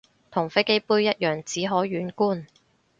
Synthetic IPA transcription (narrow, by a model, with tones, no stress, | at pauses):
t̪ʰʊ˨˩ŋfe˥jke˥jpuː˥jjɐ˥t̚jœː˨˩ŋt͡siː˨˥ɦɔː˨˥ɥyː˨˥nkuː˥˩n